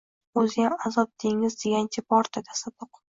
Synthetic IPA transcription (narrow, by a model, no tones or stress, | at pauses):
ɵzɪjʲamazɒp̚d̪ʰeŋɪzd̪eɡʲant͡ʃʰʲɪpɒɾt̪ʰat̪ʰḁsab̪ʊq